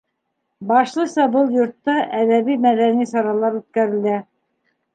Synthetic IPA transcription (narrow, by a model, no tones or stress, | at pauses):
bɑʃlˠɤsɑbɤlˠjŏɾt̪ːɑʔæðæβimæðænisɑɾɑlˠɑɾʉt̪̚kæɾɘ̆læ